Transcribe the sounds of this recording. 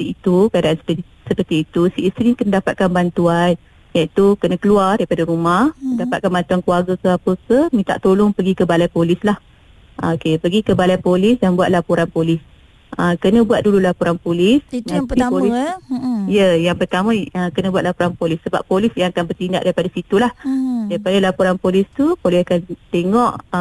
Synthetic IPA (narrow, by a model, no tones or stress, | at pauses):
iit̪ukadaʔansə | səpərt̪iːt̪usiʔːst̪ɾikənədapat̪̚kanbant̪uan | jait̪ukənə̃kəluardaɾipadaɾumahdapat̪̚kanbant̪uankluarɡəkəapəkəhmĩt̪a̰ʔt̪olʊŋpəɡikəbalajpolɪslah | okepəɡikəbalajpolɪsdambuat̪̚lapuɾanpolɪs | əkənə̃buat̪̚dululapuɾanpolɪsmatioli | jəjaŋpərt̪amə̃əkənə̃buat̪̚lapuɾanpolɪsːəba̰pːolɪsjãŋakanbərt̪inda̰ʔdaɾipadasit̪ulahdaɾipadalapuɾanpolɪst̪upolɛakant̪eŋɔʔ